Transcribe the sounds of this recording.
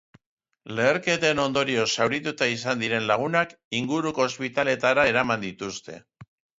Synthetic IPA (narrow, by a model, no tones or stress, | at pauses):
le̞ːɾke̞t̪eno̞nd̪o̞ɾio̞sawɾit̪ut̪ais̬and̪iɾe̞nlaɣ̞unak | iŋɡuɾuko̞ːspit̪ale̞t̪aɾae̞ɾamand̪it̪ust̪e̞̰